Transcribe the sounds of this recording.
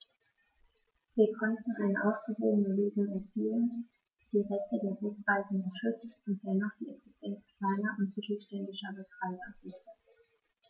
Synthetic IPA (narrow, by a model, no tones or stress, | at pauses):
v̥iːɐkʰɔntn̩ʔaɪnəʔaʊsɡ̥əvoːɡənəløːzʊŋɛɐt͡siːən | d̥iːʁɛçtədeːɐʁʊsv̥aɪzn̩ɪʃʏt͡stʊnt̚d̥ɛnaχd̥iːɛksɪstʰɛnt͡skʰl̥aɪnɐʔʊntmɪtl̩ʃtɛndɪʃɐbəstʁ̥aɪkɐfɪə